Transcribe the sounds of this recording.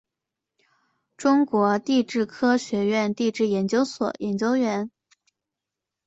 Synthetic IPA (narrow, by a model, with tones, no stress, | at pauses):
ʈ͡ʂʊ˥ŋkwɔ˧˥t̪i˥˧ʈ͡ʂɻ̩˥˩kʰɤ˥ɕɥɛ˧˥ɥɛ˥˧nt̪i˥˧ʈ͡ʂɻ̩˥˩jɛ˧˥nt͡ɕjo˥ʊswɔ̰˨˩˦jɛ˧˥nt͡ɕjo˥ʊɥɛ˧˥n